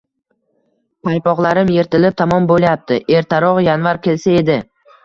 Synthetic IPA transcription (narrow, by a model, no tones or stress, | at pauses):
pʰajpɒʁlˠaɾɪmje̞ɾt̪ʰɪlɪp̚t̪ʰamɒmbolˠjap̚t̪ʰɪʔe̞ɾt̪ʰaɾɒʁjanvaɾkʲʰe̞lsae̞d̪ɪ